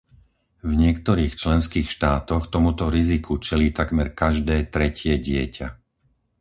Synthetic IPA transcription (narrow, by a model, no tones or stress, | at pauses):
vɲɪɛkt̪ɔɾiːxt͡ʃlɛnskiːxʃt̪aːt̪ɔxt̪ɔmut̪ɔɾizikʰut͡ʃɛliːt̪akmɛɾkaʒd̪ɛːt̪ɾɛcɪɛɟɪɛca